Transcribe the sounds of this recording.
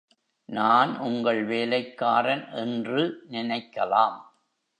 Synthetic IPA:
naːnʔʊŋɡɐɭʋeːlɐɪkːaːɾɐnʔɛndrɯnɪnɐɪkːɐlaːm

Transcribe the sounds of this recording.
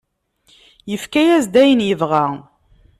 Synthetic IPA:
jəfkæjæzd̪æjənjəvʁæ

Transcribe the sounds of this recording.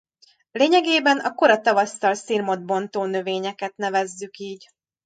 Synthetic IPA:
leːɲɛɡeːbɛnɒko̞ɾɒt̪ɒvɒst̪ɒlsirmo̞d̪̚bo̞nt̪oːnø̞veːɲɛkɛt̪nɛvɛzːykiːɟ

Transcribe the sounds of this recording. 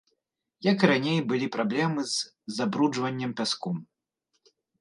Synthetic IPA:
jɐkɾanʲejbɨlʲipɾablʲɛmɨzː | abɾud͡ʐvɐnʲːɐmpʲaskɔm

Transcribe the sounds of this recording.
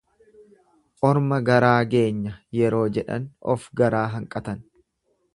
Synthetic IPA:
ʔʼɔɾmɐɡɐɾaːɡe̞ːɲːɐjɛɾo̞ːd͡ʒɛᶑɐ̰nɔ̰fɡɐɾaːɦɐŋkʼɐt̪ɐn

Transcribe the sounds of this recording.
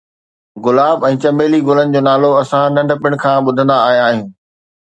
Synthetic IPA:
ɣʊlaːbɛ̃ːt͡ɕɐmbeːliɡʊlənɪ̆d͡ʑoːnaːloɐsãnɐ̃ɳɖpɪɽ̃̆kʰãːɓʊd̪ʱə̃nd̪aːɦijaaːɦijũː

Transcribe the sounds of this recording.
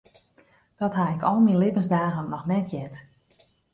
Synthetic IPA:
d̥ɔtɦaɪkɔlˠminlɪpənsdaːɣənːɔxnɛtjɛt

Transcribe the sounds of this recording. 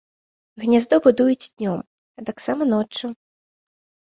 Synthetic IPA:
ɣnʲazd̪ɔbɨd̪ujut͡sʲd̪ʲnʲɔm | ɐt̪aksamɐnɔt͡ʂːu

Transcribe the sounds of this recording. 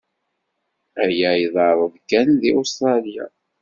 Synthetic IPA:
æjæjðˤɑɾˤəðkːænðiʔust̪ɾˤɑlija̰

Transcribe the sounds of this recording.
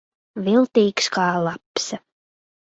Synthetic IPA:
vilˠt̪iːkskɑːlˠaps

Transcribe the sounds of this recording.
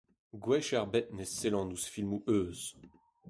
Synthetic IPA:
ɡwɛʃɛʁbɛt̪̚neselɑ̃nusfilmuʔøːz

